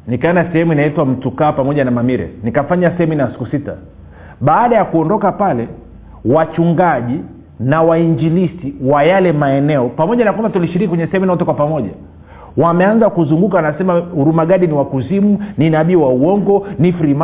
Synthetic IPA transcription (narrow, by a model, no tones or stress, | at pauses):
nikaɔnasɛhɛmuinaitwam̩tukaːpamɔʄanamamiɾɛ̰nikafaɲasɛhɛminasi̥kusita̰ | ɓaːɗajakuɔndɔkapalɛ | wat͡ʃuŋɡaʄi | nawaiɲd͡ʒilisiwajalɛmaɛnɛɔpamɔʄanakwambatuliʃiɾikikwɛɲɛsɛhɛminaɔtɛkwapamɔʄa | wamɛanzakuzuŋɡukanasɛmahuɾumaɡaɗiniwakuzimuninaɓiwauɔŋɡɔnifɾima